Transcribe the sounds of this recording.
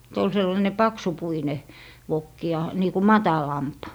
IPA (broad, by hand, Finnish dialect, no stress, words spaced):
se ol selːɑĭne pɑksupuine ʋokːi jɑ niː ku mɑtɑlɑmp